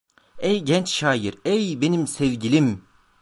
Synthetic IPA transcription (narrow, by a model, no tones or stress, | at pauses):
ɛjɟɛnt͡ʃʃaːjiɾɛjbenimsɛvɟilʲim